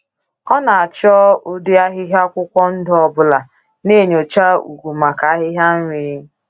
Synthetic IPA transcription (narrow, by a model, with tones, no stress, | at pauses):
ɔ˦na˨a˨t͡ʃɔ˦ʊ˦di˦a˦ɦɪ˦ɦja˦kʷʊ˦kʷɔ˦n̩˦dɔ˦bʊ˦la˨ | ne˦˨ɲo˨t͡ʃa˦ṵ˨ɡu˨ma˨ka˨a˦ɦɪ˦ɦja˦n̩˦ɾi˨˦